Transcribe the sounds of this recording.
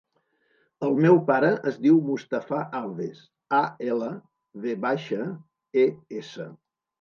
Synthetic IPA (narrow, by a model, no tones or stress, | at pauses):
əlˠmɛwpaɾəʔəzðiwmust̪əfaʔalˠðes | aelə | ðeβaʃə | eesə